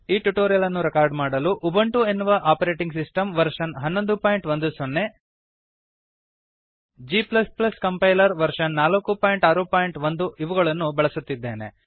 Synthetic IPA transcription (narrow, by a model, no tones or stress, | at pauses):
iːʈuʈoːɾijɐlɐnːuɾɛkaːɾɖmaːɽɐluʔubɐɳʈue̞nːuʋɐʔaːpɐɾe̞ːʈiŋɡsisʈɐmʋɐɾʂɐnɦɐnːond̪upaːjiɳʈʋond̪usonːe̞ | d͡ʒiːplɐsplɐskɐmpɐjlɐɾʋɐɾʂɐnːaːlɐkːupaːjiɳʈaːɾupaːjiɳʈʋond̪uiʋɐɣɐɭɐnːubɛɭɐsut̪ːid̪ːeːne̞̰